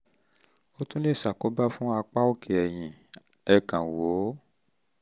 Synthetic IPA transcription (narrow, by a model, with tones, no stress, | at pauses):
o˦tũ˦le˦˨sa˨ko˨˦ba˦fũ˦a˧k͡pa˦o˦˨kʰe˨ɛ˨j̃ĩ˨ | ɛ˧˨kã˨wo˨˦